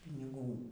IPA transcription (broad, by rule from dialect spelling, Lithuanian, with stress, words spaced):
pʲɪnʲɪˈɡuː